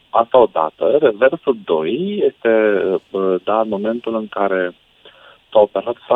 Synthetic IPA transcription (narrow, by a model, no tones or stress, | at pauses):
ast̪ao̞d̪a̰t̪əreversuld̪o̞jjest̪e̞ | d̪amo̞me̞nt̪ulɨŋkaɾe̞ | t̪aope̞ɾat̪fa